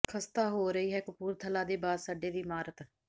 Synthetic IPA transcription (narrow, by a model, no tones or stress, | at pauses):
kʰəst̪aːɦoːɾəiːɦɛːkʊpuːɾt̪ʰəlaːd̪eːbaːdsaːɖeːd̪iːmaːɾət̪